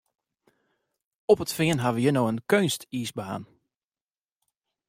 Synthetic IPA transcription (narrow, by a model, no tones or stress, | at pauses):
ɔpətfɪənɦaʋəjənoːənkøːnstiːsbaa̰ːn